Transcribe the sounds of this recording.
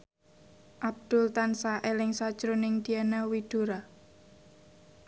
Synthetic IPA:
ʔab̚d̪̥ʊlt̪ansaʔelɪŋsad̥ʒ̥ɾonɪŋd̪̥ianawid̪̥oɾa

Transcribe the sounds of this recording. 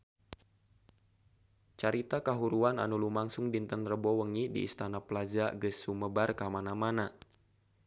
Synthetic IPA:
t͡ʃaɾit̪akaɦuɾuana̰nulumaŋsʊŋdint̪ənrəbɔwəŋidḭːst̪anapəlad͡ʒaɡəsuməbarkamanamana

